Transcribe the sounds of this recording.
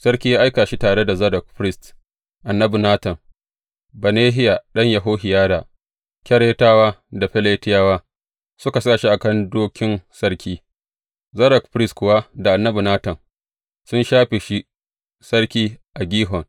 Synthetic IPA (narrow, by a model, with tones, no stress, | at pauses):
sɐ˦ɾkʲiː˦jaː˦ʔa˦jkaː˨ʃi˦taː˨ɽe˦da˨zɐ˦dɐ˨k̚ɸɾɪ˦st | ʔa˨nːɐ˦bu˨naː˦tɐ˨ŋ | bɐ˨neː˦ɦɪ˦ja˨ɗɐ˦ɲjɐ˨ɦoː˦ɦɪ˨jaː˦da˨ | kʲɐ˦ɽeː˦taː˦waː˦da˨ɸɛ˦leː˦tɪ˦jaː˦waː˦ | sʊ˦ka˨saː˦˨ʃi˦ʔa˨kɐ˦ndoː˦kʲɪ˦nsɐ˦ɽkʲiː˦ | zɐ˦ɾɐ˨kɸɾɪ˦stkʷʊ˨wa˦da˨ʔa˨nːɐ˦bu˨naː˦tɐ˨n | sʊ˦nʃaː˦ɸe˨ʃi˦ | sɐ˦ɽkʲiː˦ʔa˨ɡʲiː˦ɦɔ˨ŋ